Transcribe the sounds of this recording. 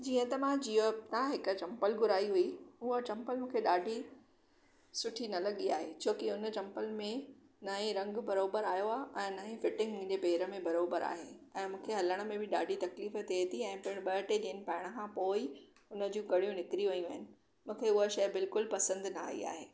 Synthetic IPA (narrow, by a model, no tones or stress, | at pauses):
d͡ʑiːə̃t̪ɐmãd͡ʑiːot̪ãɦɪkət͡ɕɐ̃mpəlɡʊɾaːiɦuiʊɦət͡ɕɐ̃mpəlmũːkʰeɗaːɖʱi | sʊʈʰinɐlɐɠiaːɦet͡ɕʰoːkɪʊnət͡ɕɐ̃mpəlmẽ | nɐĩɾɐ̃ŋɡbɐɾoːbəɾaːjoaːʔɛ̃ːnɐɦĩfɪʈɪ̃ŋɡmũɲd͡ʑepeːɾə̆mẽbɐɾoːbəɾa̰ːɦeːɛ̃ːmũːkʰeɦɐləɽ̃ə̆mẽbɪɗa̰ːɖʱit̪ɐkliːfət̪ʰit̪ʰiɛ̃ːpɐɪ̃ɓɐʈed͡ʑiːənɪ̆pɐɦɪɽ̃ə̆kʰãːpoːi | ʊnə̆d͡ʑũːɡɐɽijũnɪkɾiʋɐijũʋɐɦɪnɪ̆ | mũːkʰeʊɦəʃɐjbɪlkʊlpɐsə̃nd̪naːḭa̰ːɦeː